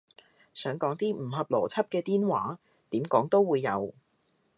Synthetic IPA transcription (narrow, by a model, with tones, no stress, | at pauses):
sœː˨˥ŋkɔː˨˥ŋt̪iː˥m̩˨˩hɐ˨p̚lɔ̰ː˨˩t͡sʰɐ˥p̚kɛː˧t̪iː˥nwaː˨˥ | t̪iː˨˥mkɔː˨˥ŋt̪o˥wːuː˨˧jːɐ˨˧w